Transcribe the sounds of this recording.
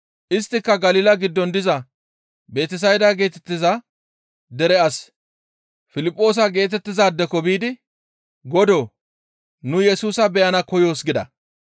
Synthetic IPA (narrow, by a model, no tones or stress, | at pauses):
ʔɪst̪ːɪkːɐɡɐlɪːlɐɡɪd̪ːɔnd̪ɪzɐ | be̞ːt̪ɪs̬ɐjd̪aɡeːt̪ɛt̪ːɪzɐ | d̪ɛɾɛɐs | fɪlɪpʼːo̞ːs̬ɐɡe̞ːt̪ɛt̪ːɪzaːd̪ːɛkɔbiːd̪ɪ | ɡɔd̪oː | nʊjɛsuːsɐbɛjɐnɐkɔjo̞ːsɡɪd̪ɐ